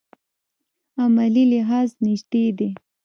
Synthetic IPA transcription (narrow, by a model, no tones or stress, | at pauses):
amalilɪɦɑznɪʃt̪ed̪e